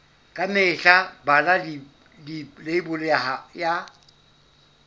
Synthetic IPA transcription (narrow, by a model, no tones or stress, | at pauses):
kʼamɪːɬabalalɪ | lɪleɪbʊlɔjaja